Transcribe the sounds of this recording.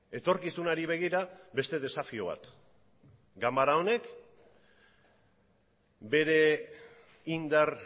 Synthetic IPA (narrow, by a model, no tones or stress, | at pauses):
e̞t̪o̞ɾkisunaɾiβ̞e̞ɣiɾabe̞st̪e̞ðe̞safio̞β̞a̰t̪ | ɡambaɾao̞ne̞k | be̞ɾe̞ | ind̪aɾ